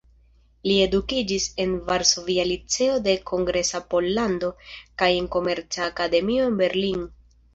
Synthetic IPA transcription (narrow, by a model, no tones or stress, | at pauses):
lie̞dukid͡ʒise̞nvaɾso̞vialit͡se̞o̞de̞kʰo̞ŋɡɾe̞sapo̞lːando̞kaje̞ŋko̞me̞ɾt͡saːkade̞mio̞enbe̞ɾlin